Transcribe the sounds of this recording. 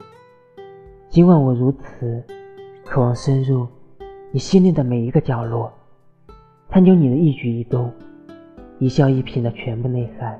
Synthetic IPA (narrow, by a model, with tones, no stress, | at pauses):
t͡ɕi˥nkwa˥˩nwɔ˨˩ɻu˧˥t͡sʰɹ̩˨˩˦kʰɤ˨˩wɑ˥˧ŋʂə˥nɻu˥˩ni˨˩ɕi˥nli˥˩d̪ə˩me˨˩ɪi˧˥ɡə˧t͡ɕjɑ˨˩ʊlwɔ˥˩ | t͡sʰa˥˧nt͡ɕjo˥ni˨˩d̪ə˦i˥˩t͡ɕy˧˥i˨˩t̪ʊ˥ŋ | i˨˩ɕjɑ˥˧ʊi˥˩pʰi˧˥nd̪ə˧t͡ɕʰɥɛ˧˥npu˥˧ne˥˧ɪfa˥˩n